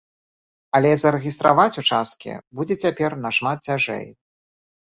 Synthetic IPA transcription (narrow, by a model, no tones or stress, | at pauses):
ɐlʲɛzɐɾɨɣʲist̪ɾa̰vat͡sʲut͡ʂast̪̚kʲḭbud͡zʲɛt͡sʲapʲɛrnɐʂmat̪̚t͡sʲaʐɛ̰j